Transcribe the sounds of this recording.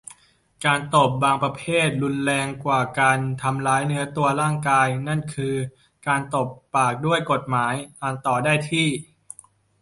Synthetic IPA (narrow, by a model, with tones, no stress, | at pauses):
kaː˧nt̪o˨˩p̚baː˧ŋpɾa˧pʰeː˥˩t̪̚ɾu˧nlɛː˧ŋkwaː˨˩kaː˧nt̪ʰa˧mlaː˦˥jnɯ˦˥ɐt̪u˧ɐɾaː˥˩ŋkaː˧jna˥˩nkʰɯː˧ | kaː˧nt̪o˨˩pːaː˨˩k̚du˥˩əjko˨˩t̪̚maː˩˦jʔaː˧nt̪ɔː˨˩daː˥˩jt̪ʰiː˥˩